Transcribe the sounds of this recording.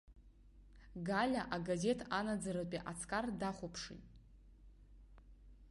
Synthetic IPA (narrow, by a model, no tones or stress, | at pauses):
ɡalʲaʔaɡaze̞tʰanad͡zaɾapʼiʔat͡sʰkʼardaχʷopʰʂḭtʼ